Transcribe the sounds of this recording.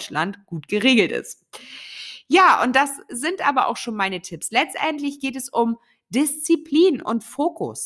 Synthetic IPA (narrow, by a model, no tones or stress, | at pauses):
t͡ʃlantɡ̥uːtɡ̥əʁeːɡl̩tɪ̰st | jaːʔʊ̰nt̚d̥aszɪntʔaːbɐʔa̰ʊxʃoːnmaɪnətʰɪpslɛt͡stʔɛntlɪçɡ̥eːtɛsʊm | dɪst͡sipʰliːnʊ̰ntfoːkʊ̰s